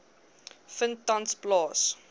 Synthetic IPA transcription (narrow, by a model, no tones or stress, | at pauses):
fəntɐnsblɑːs